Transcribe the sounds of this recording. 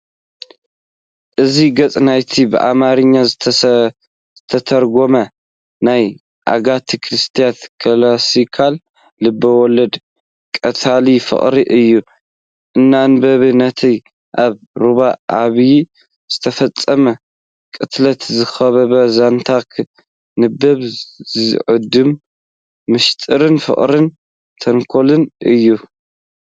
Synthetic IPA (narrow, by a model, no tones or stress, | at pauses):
ʔɨziɡɐt͡sʼnajt̪ʰibɨʔa̰maɾɨɲːa | zɨt̪ʰɐt̪ʰɐɾɡomɐ | naj | ʔa̰ɡat̪ʰikʰɾɨst̪ʰijat̪kʰɨlasikʰalː | ɨbːɐwɔlɐd̪ | kʼɐt̪ʰalifɨ̰χʼɾiʔɨjːu | ʔɨnːanbɐβɨnɐt̪ʰi | ʔaβ | ɾuβaʔaβj | z̥ɨt̪ʰɐfɐt͡sʼːɐmɐ | kʼɨt̪lɐt̪zɨxɐβɐβɐzant̪ʰakʰ | nɨbːɐβzɨ̰ʕɨd̪ɨmː | ɨʃt̪ʼɨɾɨnfɨ̰χʼɾɨn | t̪ʰɐŋkʰolɨnʔɨjːu